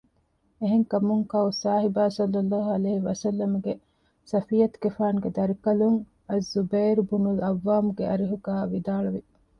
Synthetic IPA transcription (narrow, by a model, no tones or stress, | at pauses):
eɦeŋkɐmuŋkɐusaːɦibaːsɐlːɐlːaːɦuɐleːiʋɐsɐlːɐmuɡe | sɐfijɐt̪ɡefaːnɡed̪ɐɾikɐluŋ | ɐzːubeːɾbunulɐʋːaːmuɡeʔɐɾiɦuɡaːʋid̪aːɭuʋi